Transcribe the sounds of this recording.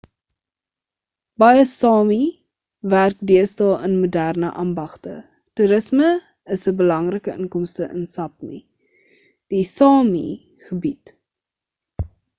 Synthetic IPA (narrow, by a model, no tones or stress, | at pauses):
b̥ɐjəsɑːmi | værk̚diəstɑlˠənmudærnəʔɑːmbɐχtə̰ | tuɾəsmə | əsəbəlɐŋrəkəʔəŋkɔmstəʔə̰nsɐp̚mḭ | d̥isɑːmḭ | χəbit